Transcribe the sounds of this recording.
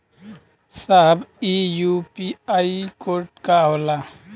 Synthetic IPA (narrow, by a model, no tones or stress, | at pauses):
saɦbijupiaikoɾʈkaɦola